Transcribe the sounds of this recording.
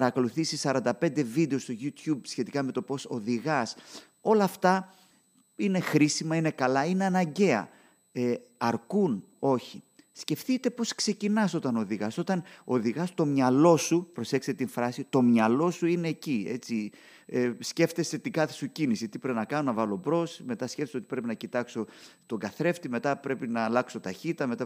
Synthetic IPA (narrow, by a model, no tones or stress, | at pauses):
ɐɾɐko̞luθisisɐɾɐnd̪ɐpe̞nd̪e̞vid̪e̞o̞st̪o̞ʝut̪çubsçe̞t̪ikɐme̞t̪o̞po̞so̞ðiɣɐs | o̞lɐːft̪ɐ | ine̞xɾisimɐine̞kɐlɐine̞ɐnɐɲɟe̞ɐ̰ | eɐɾkun | o̞çi | sce̞fθit̪e̞po̞skse̞cinɐso̞t̪ɐno̞ðiɣɐso̞t̪ɐno̞ðiɣɐst̪o̞mɲɐlo̞supɾo̞se̞kset̪iɱfɾɐsit̪o̞mɲɐlo̞suine̞ːcie̞t͡si | esce̞ft̪e̞set̪iɡɐθesucinisit̪ipɾepinɐkɐno̞nɐvɐlo̞bɾo̞sme̞t̪ɐsceft̪sot̪ipɾe̞pinɐcit̪ɐkso̞t̪o̞ŋɡɐθɾe̞ft̪ime̞t̪ɐpɾe̞pinɐːlɐkso̞t̪ɐçit̪ɐme̞t̪ɐ